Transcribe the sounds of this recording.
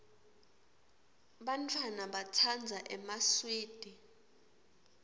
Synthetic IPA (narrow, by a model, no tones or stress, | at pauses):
ɓantʰʼwanaɓatʰand͡zʱaʔɛmaswiːd̥ʱi